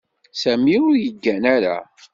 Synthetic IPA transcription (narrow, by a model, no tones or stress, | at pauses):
sæmiʊɾjəɡːænæɾa̰